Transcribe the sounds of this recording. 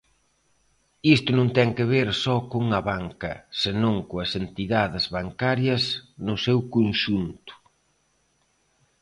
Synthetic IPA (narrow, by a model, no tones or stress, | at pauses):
ist̪ʊnõŋt̪ɛŋkeβ̞eɾsɔkoŋɐβaŋkɐ̰sɪnõŋkoɐsent̪iðaðɪzβaŋkaɾjɐsnʊsewkonʃunt̪ʊ̥